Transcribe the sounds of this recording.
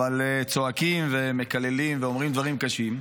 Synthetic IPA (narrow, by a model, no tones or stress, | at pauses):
valt͡so̞akimve̞me̞kale̞limveomʁimd̪vaʁimkaʃim